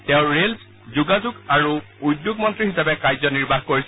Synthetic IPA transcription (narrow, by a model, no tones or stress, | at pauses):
tɛʊ̃ɹels | zuɡazuɡaɹu | ujdjʊɡmɔntɹiɦisabɛkajzɔniɹbʱaxkoɹis